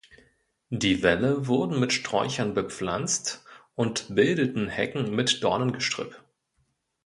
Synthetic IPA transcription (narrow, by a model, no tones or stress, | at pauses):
diːvɛləvʊɐdn̩mɪtʃtʁ̥ɔ̰ʏçɐnbəp͡fla̰nt͡stʔʊntb̥ɪldətn̩hɛ̰kŋ̩mɪtd̥ɔɐnənɡəʃtʁ̥ʏ̰pt